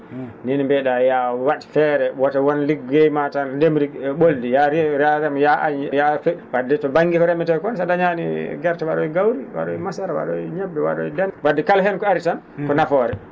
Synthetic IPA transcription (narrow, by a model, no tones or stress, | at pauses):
ninmbɛɗajawaɗi̥fɛɾɛwatawɔnliɡɡejmatandemɾiɓoldijaɾiɾaɾɛmjaʔaɲjafewadɛtɔbaŋɡikɔɾɛmɛtɔkɔnsadaɲaniɡaɾtawaɗɔwiɡawɾiwa̰ɗɔimasaɾawa̰ɗɔɲabːɛwa̰ɗɔ̰dɛnwadːɛkalɦɛnkɔaɾitan | kɔnafɔɾɛ